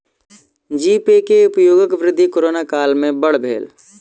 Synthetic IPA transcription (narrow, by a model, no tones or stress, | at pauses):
d͡ʒiːpekeʊpjoːɡəkʋɾɪd̪ʱːikoɾoːnakaːlmẽbɐɽ̤bʱḛːl